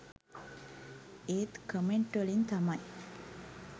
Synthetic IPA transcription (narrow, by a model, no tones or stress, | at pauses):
eːt̪kəmeɳʈʋəlint̪amaj